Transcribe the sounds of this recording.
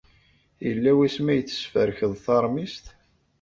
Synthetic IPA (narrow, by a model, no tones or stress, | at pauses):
jəlːæwæsmæjət͡sːə̥sfəɾçəðˤθɑɾˤmist̪